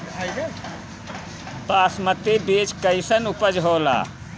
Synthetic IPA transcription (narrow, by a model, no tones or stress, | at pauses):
paːsmət̪ebeːt͡ʃkəɪsənupəd͡ʒɦoːla̰ː